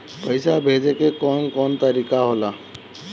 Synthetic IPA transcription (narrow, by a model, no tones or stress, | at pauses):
pəjsabʱed͡ʒekekɔnkɔnt̪əɾikaɦola